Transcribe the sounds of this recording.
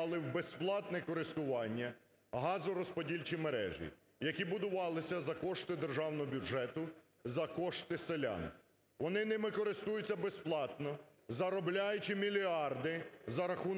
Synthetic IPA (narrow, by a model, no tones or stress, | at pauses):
lˠɪwbesplˠɑt̪nɛkɔɾɪst̪ʊʋɑnʲːɐ | ɦɑzʊɾɔspɔdʲilʲt͡ʃimeɾɛ̰ʒḭ | jɐkʲibʊd̪ʊʋɑlˠɪsʲɐzɐkɔʃt̪ɪd̪erʒɑwnɔɦɔbʲʊʒɛt̪ʊ | zɐkɔʃt̪ɪselʲa̰n | ʋɔnɪnɛmɪkɔɾɪst̪ujʊt͡sʲːɐbesplˠɑt̪nɔzɐɾɔblʲajʊt͡ʃimʲilʲiɑrd̪ɪzɐɾɐxun